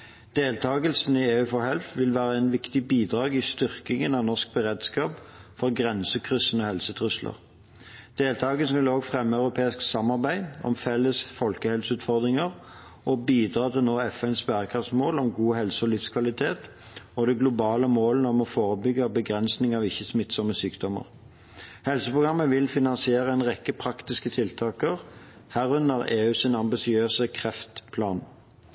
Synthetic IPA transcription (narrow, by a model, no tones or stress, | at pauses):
d̪̥eːlt̪ʰɑːɡəlsn̩ɪeːʉːfɔɦɛlfʋɪlʋæːʁəæɪnʋɪkt̪ɪbiːd̪ʁɑːɡɪst̪ʏʁkɪŋənɑʋnɔsk̚bəʁeːd̪skɑːp | fɔʁɡʁɛnsəkʰʁʏsənɔhɛlsət̪ʰʁʉslʔə̰ʁ | d̪̥eːlt̪ʰɑːɡəlsn̩ʋɪloːɡfʁɛmːəɑʉʁʊpʰeːɪsksɑmɑʁbæɪɔ̰mfɛlːəsfɔlkəhɛlsʉːt̪fɔʁd̪ʁɪŋəʁ | ɔbiːd̪ʁɑːt̪ʰɪlnoːɛfɛnsbæʁkʰʁɑft̪smoːlɔmɡuːɦɛlsəɔlɪfskʰʋɑlɪt̪ʰeːt̪ | ɔd̪ɛɡlʊbɑːləmoːlənəɔmɔfoːʁəbʏɡəbəɡʁɛnsnɪŋɑːʋɪçːəsmɪt̪sɔmːəsyːkd̪ɔmə̰ʁ | hɛlsəpʰʁʊɡʁɑmːəʋɪlfɪnɑnsɪeːʁəɛnʁɛkːəpʰʁɑkt̪ɪskət̪ʰɪlt̪ʰɑːkəʁ | hæːʁʉnəʁeːʉːsɪnɑmbɪsɪøːsəkʰʁɛft̪pʰlɑːn